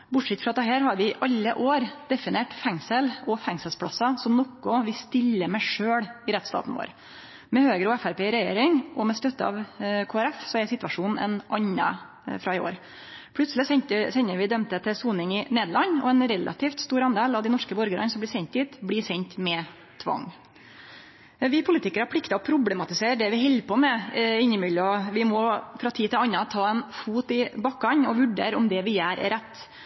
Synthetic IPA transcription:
bʊʈʂɛt̪ːfɾɑt̪ɛɦæːɾhɑɾʋɪʔɑlːəʔoːɾd̪ɛfɪneːʈfɛŋsəlɔfæŋsəlspʰɽɑsːɑsɔmnɔkːʊʋɪst̪ɪlːəmæʂøːɽɪɾɛt̪ːst̪ɑ̰ːt̪n̩ʋo̰ːɾ | mɛhøːɡɾʊɛfæɾpeːɾɛjḛːɾɪŋɔmɛst̪œt̪ːəɑ̰ʋkʰoːæɾɛfsɔɛsɪt̪ʋɑʂuːnn̩ɛ̰nʔɑɲːə̰ | fɾɑɪo̰ːɾ | pʰlʉt̪slɪsɛnt̪əsɛɲːəʋɪd̪œmt̪ət̪ʰɪsuːnɪŋɪneːd̪lɭɑnɔ̰ɛnɾɛlʔɑ̰t̪ʰiːft̪st̪uːɾɑnd̪eːlɑʋd̪ɪnɔʂkəbɔɾɡəɾɑnsɔmblɪsɛnt̪ɪːt̪blɪːsɛnt̪mɛ | t̪ʰʋɑ̰ŋ | ʋɪpʰʊlɪːt̪ɪkəɾæɾpʰɽɪkt̪ɑɔpʰɾʊblɛmɑt̪ɪseːɾɖ̪ɛʋɪɦɛlːpɔmɛɪnːəmʏlːəɔʋɪmɔfɾɑt̪ʰiːt̪ɪlɑnːɑt̪ʰɑːɛnfuːt̪ɪbɑkːɑɲɔʋʉɖḛːɾɔmd̪ɛʋɪjæːɾ̰ɾɛt̪ː

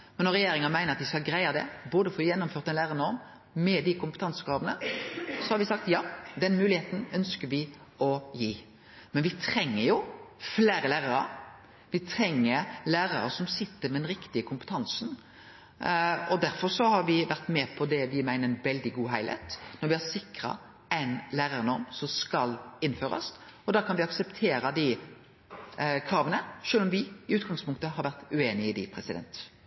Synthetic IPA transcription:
mɛnːɔɾːɛjeːɾɪŋəmæɪnəɾɑt̪ʋɪskɑlɡɾæɪɑd̪ɛ̰boːd̪əfɔjɛnːʊmføːɾt̪ɛnlæːɾɑnəɔm | mɛd̪ɪkʊmpət̪ɑŋsəkɾɑːʋənəsɔhɑɾʋɪsɑk̚t̪jɑːd̪ɛnmʉːlɪheːt̪n̩œnskəɾʋɪ | ɔjiː | mɛnʋɪt̪ʰɾɛŋːəɾjʊfleːɾəlæːʁɑɾə̰ | ʋɪt̪ʰɾɛŋːəɾlæːɾɑɾə̰sɔmsɪt̪ːəɾmɛɛnɾɪkt̪ɪəkʰʊmpə̥t̪ʰɑŋsn | ɔd̪æɾfɔɾsɔhɑɾʋɪʋæɾt̪mɛpʰɔd̪ɛʋɪmæɪnəɾɛnʋɛld̪ɪɡuːɦæɪlhæ̰ɪt̪nɔɾʋɪhɑsɪkɾɑ̰ | æɪnlæːɾɑɾənɔɾmsɔmskɑlɪnːføːɾɑ̰sɔd̪ɑːkʰɑnʋɪɑksəpt̪ʰeːɾɑd̪ɪ | kʰɾɑːʋənəʂøːlɔmʋɪɪʉːt̪ɡɑŋspʰʊŋk̚t̪əɦɑɾʋæɾt̪ʉeːnɪɪd̪ɪpʰɾɛsɪd̪ɛ̰nt̪

